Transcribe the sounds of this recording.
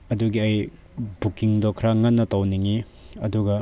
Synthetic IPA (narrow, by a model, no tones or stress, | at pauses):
ɐduɡiɐj | bukiŋdokʰɾaŋanːɐtɐwniŋi | ɐduɡɐ